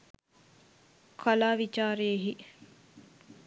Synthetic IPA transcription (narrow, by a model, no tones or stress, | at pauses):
kʰalaːʋit͡ʃaːɾeeɦi